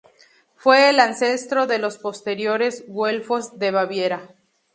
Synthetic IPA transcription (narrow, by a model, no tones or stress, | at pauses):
fwe̞ːlanse̞st̪ɾo̞ðe̞lo̞spo̞st̪e̞ɾjo̞ɾe̞zɡwe̞lfo̞zd̪e̞βaβje̞ɾa